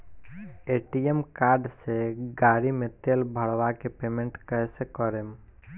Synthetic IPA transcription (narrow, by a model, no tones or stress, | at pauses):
eːʈijemkaːɾɖseɡaːɾimẽt̪eːlbʱəɽʋakepeːmẽɳʈkəjsekəɾem